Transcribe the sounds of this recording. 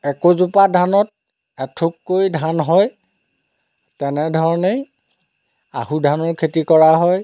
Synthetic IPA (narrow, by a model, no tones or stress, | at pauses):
ɛkozupadʱanɔt̚ | ɛtʰukːojdʱanɦɔj | tɛnɛdʱɔɹɔne | a̰hudʱanɔɹkʰetikɔɹaɦɔj